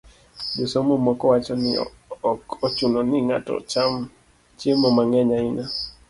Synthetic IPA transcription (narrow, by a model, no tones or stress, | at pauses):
d͡ʒosomomɔkɔwat͡ʃɔnɪ̰ | ɔkot͡ʃunɔnɪŋa̰tɔ̰t͡ʃam | t͡ʃjemɔmaŋɛɲaɪna